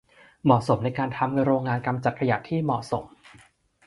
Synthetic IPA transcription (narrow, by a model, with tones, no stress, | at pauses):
mɔ˨˩so˩˦mna˧jkaː˧nt̪ʰa˧m˧ɾoː˧ŋːaː˧nka˧mt͡ɕa˨˩t̪̚kʰa˧ja˨˩ʔt̪ʰiː˥˩mɔ˨˩ʔso˩˦m